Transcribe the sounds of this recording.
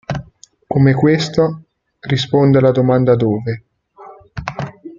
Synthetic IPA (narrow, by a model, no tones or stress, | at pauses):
komekwest̪a | rispond̪ealad̪omand̪ad̪oːve